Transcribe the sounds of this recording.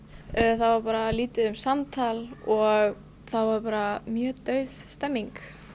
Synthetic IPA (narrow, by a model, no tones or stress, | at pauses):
θawvaɾpaːɾaliːt̪ɪðʏmsamt̪ʰalɔɣ | θawvaɾpaːɾamjœːt̪œɥðst̪ɛmːiŋk